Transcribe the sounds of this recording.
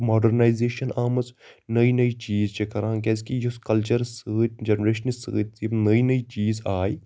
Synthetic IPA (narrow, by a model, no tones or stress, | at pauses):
moːɖəɾnaːjzeːʃɐnaːmɐsnɐinɐit͡ʃiːzt͡ʃekɐɾãːkɛːskijʊskɐlt͡ʃəɾsəːt̪̚d͡ʒɐnɾeːʃənisə̰ːt̪inɐinɐit͡ʃiːzaːi